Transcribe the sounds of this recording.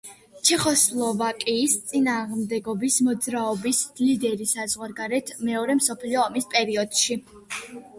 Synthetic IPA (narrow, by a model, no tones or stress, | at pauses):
t͡ʃʰɛχɔslˠɔvakʼiːst̪sʼinaːʁmd̪ɛɡɔbismɔd̪zɾaɔbislid̪ɛɾisazʁwaɾɡaɾɛt̪ʰmɛɔɾɛmsɔpʰliɔːmispʼɛɾiɔd̪̥ʃi